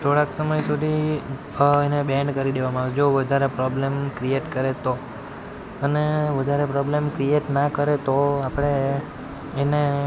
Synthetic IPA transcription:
t̪ʰoɽãksəməjsud̪ʱi | enebɛ̃ɳɖkəɾid̪eʋamãːʋed͡ʒoʋəd̪ʱaɾepɾɔblemkɾieʈkəɾet̪o | əneʋəd̪ʱaɾepɾɔblemkɾieʈnakəɾet̪oapɽ̃eː | ne

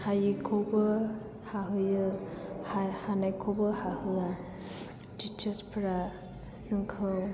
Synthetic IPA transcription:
hajikʰobɯ | haɦɯjɯhahanajkʰobɯhahɯa | tit͡ʃɐspʰɯɾa | sɯŋkʰɯw

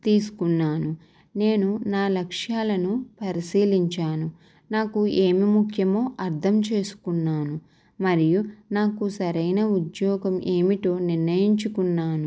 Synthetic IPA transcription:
t̪iːsu̥kunːaːnu | ne̞ːnunaːlɐkʂjaːlɐnupɐɾisiːliɲt͡ʃaːnu | naːkue̞ːmimukʰjɐmoːʔɐɾt̪ʰɐmt͡ʃe̞ːsu̥kunːaːnu | mɐɾijunaːkusɐɾɐjnɐud̪jɔːɡɐmʔe̞ːmiʈo̞ːniɾnɐjiɲt͡ʃukunːaːnu

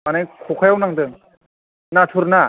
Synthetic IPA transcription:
manajkʰokʰajawnaŋdɯŋ | natʰuɾna

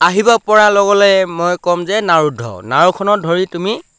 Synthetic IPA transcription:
aɦibɔpɔɹalɔɡɔlɛmojkɔmzɛnaɹudʱɔ̰ʊnaɹukʰɔnɔdʱɔɹitumi

